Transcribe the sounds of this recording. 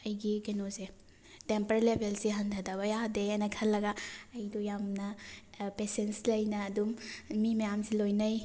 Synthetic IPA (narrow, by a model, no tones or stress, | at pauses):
ɐjɡiɡenose | tempɐɾlebʰʱelsiɦɐndʱɐdɐbɐjadenɐkʰɐlːɐɡɐːjdujamnɐ | pesenslɐjnɐːdummimɐjamsilojnɐj